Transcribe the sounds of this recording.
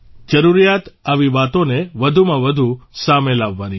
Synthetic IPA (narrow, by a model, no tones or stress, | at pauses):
d͡ʒəɾuɾijat̪aʋiʋat̪oneʋəd̪ʱumãʋəd̪ʱusamelaʋːani